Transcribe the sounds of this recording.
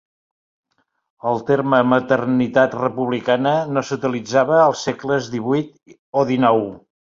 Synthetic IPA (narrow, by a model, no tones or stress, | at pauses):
əlˠt̪eɾməmət̪ərnit̪at̪rəpuβlikanənosut̪ilid͡zaβəːlˠsːekləzðiβujt̪ | oðinɔw